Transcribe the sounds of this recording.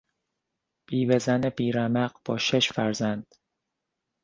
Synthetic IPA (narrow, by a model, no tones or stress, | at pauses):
b̥iːvezænebiːɾæmæɢb̥ɒːʃeʃfæɾzænd̪̥